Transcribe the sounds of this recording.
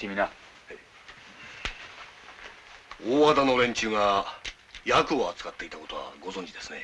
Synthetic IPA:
emʲina | oːad̪ano̞ɾẽ̞ɲ̟t͡ɕɨːŋa | jakɯ̟oat͡sɨ̥kat̪ːe̞it̪ako̞t̪o̞βa̰ɡo̞zõ̞ɲ̟d͡ʑid̪e̞sɨ̥ne̞

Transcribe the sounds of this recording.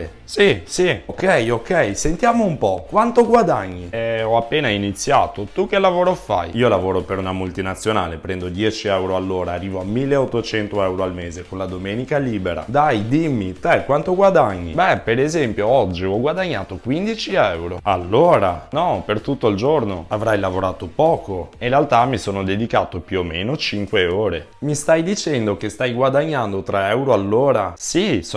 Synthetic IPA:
sisiokɛjokɛjsent̪jaːmoumpɔkwant̪oɡwad̪aɲːiɛɔapːeːnainit̪sːja̰ːt̪ot̪uk̟ːelavoːɾofa̰jiːolavoːɾopeɾunamult̪inat̪sːjonaːlepɾɛnd̪od̪jɛːt͡ʃiɛwɾoalːoːɾaːrːiːvoamːilːeot̪ːot͡ʃɛnt̪oɛwɾoalmeːzekonlad̪omeːnikaliːbeɾa̰d̪ajd̪imːit̪ɛkwant̪oɡwad̪aɲːḭbɛpeɾezɛmpjoɔd͡ʒːiɔɡwad̪aɲːaːt̪okwind̪it͡ʃiɛwɾoalːoːɾanɔpert̪ut̪ːoild͡ʒornoavɾajlavoɾaːt̪opɔːkoinɾealt̪amːisoːnod̪ed̪ikaːt̪opjuomenot͡ʃiŋkweoːɾe | mist̪ajd̪it͡ʃɛnd̪ok̟est̪ajɡwad̪aɲːand̪ot̪ɾɛɛwɾoalːoːɾasis

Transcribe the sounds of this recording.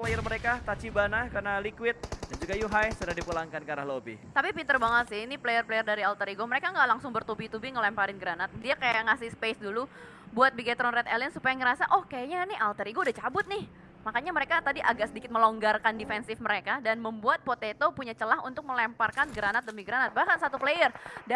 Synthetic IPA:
plajərməɾekakat͡ʃibanahkarnalikwɪt̪̚dand͡ʒuɡajuɦajsudahdipulaŋkankaɾa̰ɦlobḭt̪apipint̪ərbaŋət̪sɪhiniplejərplejərdaɾialt̪əɾiɡoməɾekaŋɡaʔlaŋsʊŋbərt̪ubit̪ubɪŋəlɛmpaɾɪnɡəɾanat̪̚diakajaʔŋasɪspesdulu | buat̪̚biɡat̪ɾɔnrɛt̪elənsupajaŋəɾasaʔɔhkajaɲanɪɦalt̪əɾiɡoudaht͡ʃabʊt̪̚nɪh | makaɲaməɾekat̪adiʔaɡaʔsədikɪt̪̚məloŋɡarkandifɛnsɪfməɾekadanməmbuat̪̚pot̪et̪opuɲat͡ʃəlaɦṵnt̪ʊk̚məlɛmparkanɡəɾanat̪̚dəmiɡɾanat̪̚bahkansat̪uplejərda

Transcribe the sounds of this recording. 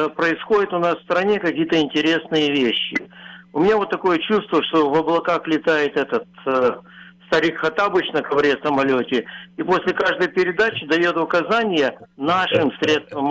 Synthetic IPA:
pɾəɪsxo̞dʲɪt̪ʊnasfst̪ɾɐnʲe̞kɐkʲijət̪əɪnʲtʲɪɾʲe̞snɨjəvʲeɕːɪ̰ʊmʲɪnʲavot̪ːɐko̞jət͡ɕust̪vəʂt̪o̞vɐblˠɐkaxlʲɪt̪ajɪt̪ɛt̪ət̪ | st̪ɐɾʲikxɐt̪abɨt͡ɕnəkɐvɾʲesəmɐlʲotʲɪiposʲlʲɪkaʐd̪əjpʲɪɾʲɪd̪at͡ɕɪd̪ɐjot̪ʊkɐzanʲɪjənaʂɨmsʲɾʲe̞t̪st̪vəm

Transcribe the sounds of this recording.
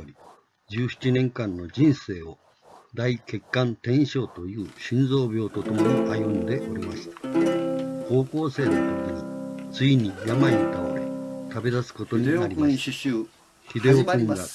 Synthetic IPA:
oɾʲi | d͡ʑɨːɕi̥t͡ɕinẽ̞ŋkãnːo̞d͡ʑĩɰ̃se̞ːo̞ | d̪aike̞kːãnt̪ẽ̞ɰ̃ɕo̞ːt̪o̞jɯ̟ːɕĩnd͡zo̞ːbʲjo̞ːt̪o̞t̪o̞mo̞ɲiʔajɯ̃nd̪e̞ʔo̞ɾʲimaɕi̥t̪ḁ | ko̞ːko̞ːse̞ːnot̪okʲiɲ̟it͡sɨiɲ̟ijamaɲit̪aoɾet̪abe̞d̪asɨ̥ko̞t̪o̞ɲ̟iaɾʲi | çid̪e̞oɯ̟̃ŋɡa

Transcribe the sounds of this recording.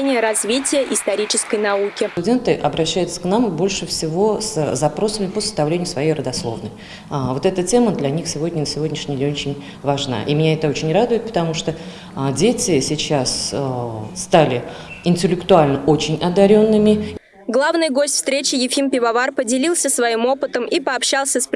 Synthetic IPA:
enʲɪjəɾɐzvʲitʲɪjəʔɪst̪ɐɾʲit͡ɕɪskəjnɐukʲɪt̪ʊdʲe̞nt̪ɨʔɐbɾɐɕːæjʊt̪sə̥knambo̞lʲʂɨfsʲɪvo̞szɐpɾo̞səmʲɪpəsə̥st̪ɐvlʲenʲɪjʊsvɐjejrəd̪ɐslˠo̞̰vnə̰j | vo̞t̪ɛt̪ətʲe̞məd̪lʲɐnʲixsʲɪvo̞dʲnʲɪnəsʲɪvodʲnʲɪʂnʲɪlʲɪot͡ɕɪnʲ | vɐʐna̰ʔimʲɪnʲaɛt̪əo̞t͡ɕɪnʲrad̪ʊjɪt̪̚pə̥t̪ɐmuʂt̪o | dʲetʲɪsʲɪt͡ɕas | st̪alʲɪɪnʲtʲɪlʲɪkt̪ʊalʲnəʔot͡ɕɪnʲɐd̪ɐɾʲo̞nːɨmʲɪ | ɡlˠavnɨjɡo̞sʲtʲfst̪ɾʲet͡ɕɪjɪfʲimpʲɪvɐvarpədʲɪlʲilˠsʲəsvɐimo̞pɨt̪əmʔipəɐpɕalˠsʲəsp

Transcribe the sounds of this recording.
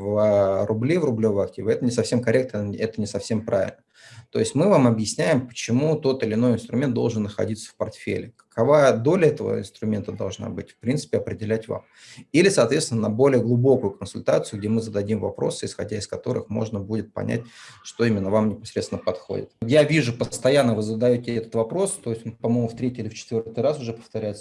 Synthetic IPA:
vərʊblʲivrʊblʲovəjɐk̚tʲivɨɛt̪ənʲɪsɐfsʲemkɐɾʲek̚t̪nəɛt̪ənʲɪsɐfsʲe̞mpɾavʲɪ̰lʲnə | t̪o̞̰ɪsʲtʲmɨvamɐbjɪsʲnʲæjɪmpə̥t͡ɕɪmut̪o̞t̪ɨlʲɪno̞jɪnst̪ɾʊmʲent̪d̪o̞lˠʐɨnːəxɐ̰dʲit̪sə̥fpɐrt̪fʲḛlʲɪkə̥kʰɐvajəd̪o̞lʲəɛt̪əvə̰ɪ̰nst̪ɾʊmʲe̞nt̪əd̪ɐlˠʐna̰bɨtʲfpɾʲint̪sɨ̥pʲɪɐpɾʲɪdʲɪlʲætʲva̰m | ilʲɪsaːt̪vʲest̪vɪnənɐbo̞lʲɪjəɡlˠʊbo̞kʊjʊkənsʊlʲt̪at̪sɨjʊɡ̚dʲe̞mɨzəd̪ɐdʲimvɐpɾo̞sɨɪsxɐ̰dʲæɪskɐt̪o̞ɾɨ̰xmo̞̰ʐnəbudʲɪt̪̚pɐ̰nʲʔæ̰t̚ʲʂt̪o̞imʲɪnːəvamnʲɪpɐsɾʲesʲɪnəpɐt̪xo̞̰dʲɪ̰t̪javʲiʐʊpəst̪ɐjanːəvɨzəd̪ɐjotʲɪɛt̪ə̥t̪vɐpɾo̞st̪o̞jɪsʲtʲonpɐmo̞jmʊft̪ɾʲetʲːiɪlʲɪft͡ɕɪ̥t̪vʲort̪ɨjrasʊʐɛpə̥ft̪ɐɾʲæjɪt̪sə

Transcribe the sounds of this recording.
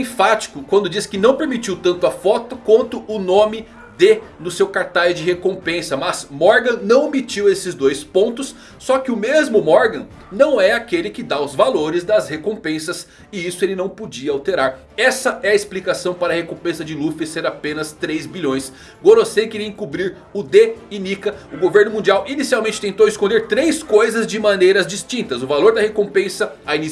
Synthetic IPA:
ẽfat͡ʃi̥kʊkwɐ̃nd̪ʊd͡ʒiskɪnɐ̃w̃peɾmit͡ʃiwt̪ɐ̃nt̪ʊɐfɔt̪ʊkwɐ̃nt̪ʊʔʊnõmɪ | d̪enʊsewkaɾt̪ajzd͡ʒɪɦekõpẽsɐmɐzmɔɾɡɐ̃nɐ̃w̃emit͡ʃiwesɪzd̪ojspõnt̪ʊsː | ɔkɪʊmezmʊmɔɾɡɐ̃ | nɐ̃w̃ɛakelɪkɪd̪aʊzvaloɾɪzd̪ɐshekõpẽsɐs | ɪisʊelɪnɐ̃w̃pod͡ʒiɐawt̪eɾaɾ | ɛsɐɛɐɪsplikasɐ̃w̃paɾɐhekõpẽsɐd͡ʒɪlufɪseɾapẽnɐst̪ɾejzbiʎõj̃s | ɡoɾosẽjkɪɾiɐẽkubɾiɾ | ʊd̪einikɐʊɡoveɾnʊmũnd͡ʒiawʔinisiawmẽnt͡ʃɪt̪ẽnt̪owɪskõnld̪eɾt̪ɾejskojzɐzd͡ʒɪmɐ̃nejɾɐzd͡ʒist͡ʃĩnt̪ɐzʊvaloɾd̪ɐhekõpẽsɐaini

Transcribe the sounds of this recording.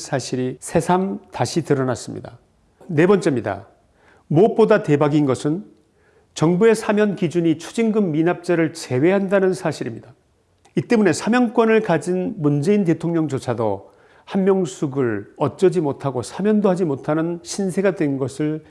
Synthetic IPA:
sʰaɕʰiɾisʰe̞sʰamtaɕʰitɯɾʌnas͈ɯmɲḭda | ne̞bʌnt͡ɕ͈e̞mɲida̰ | mop̚p͈odatebaɡinɡʌsʰɯn | t͡ɕʌŋbue̞sʰamjʌnkid͡ʑuɲit͡ɕʰud͡ʑinɡɯmːinap̚t͡ɕ͈aɾɯɭt͡ɕe̞we̞ɦandanɯnsʰaɕʰiɾimɲida | it͈e̞mune̞sʰamjʌnk͈wʌnɯɭkad͡ʑinmund͡ʑe̞inte̞tʰoŋɲʌŋd͡ʑot͡ɕʰado | hanmjʌŋsʰuɡɯɭʌt͡ɕ͈ʌd͡ʑimotʰaɡosʰamʲjʌndohad͡ʑimotʰanɯnɕʰinsʰe̞ɡadwe̞nɡʌsʰɯɭ

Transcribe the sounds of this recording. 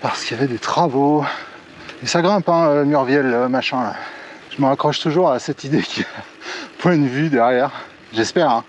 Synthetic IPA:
paʁsə̥kijavɛd̪et̪χavo | esaɡʁɛ̃pɛ̃ømyʁvjɛlømaʃɛ̃øʒ̥əməʁakχɔʃt̪uʒuʁasɛt̪id̪ekʲʰia | pwɛ̃d̪əvyd̪ɛʁjɛːʁ | ʒɛspɛːʁɛ̃

